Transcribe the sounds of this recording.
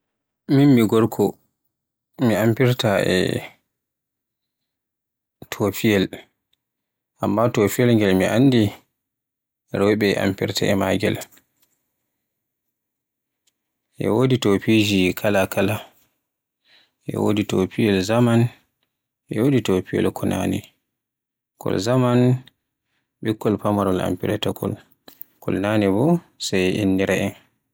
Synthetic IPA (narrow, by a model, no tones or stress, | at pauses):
minmiɡɔɾkʰɔ | miampiɾtaʔɛ̰ | tʰofijɛl | ʔamːatofijɛlŋɡɛlmiʔa̰nːdi | ɾɔjɓɛʔa̰mpḭɾtaɛma̰ːɡɛ̰l | ʔɛ̰woditopid͡ʒikʰalakʰala | ʔɛ̰wo̰ditopijɛlzaman | ʔɛwoditopiɛ̰lkʰɔna̰nɛ̰ | kɔ̰lzaman | ɓikːɔlpamaɾɔla̰mpiɾɛtakʰɔ̰l | kɔ̰lnanɛbɔ | sajʔinːiɾaɛn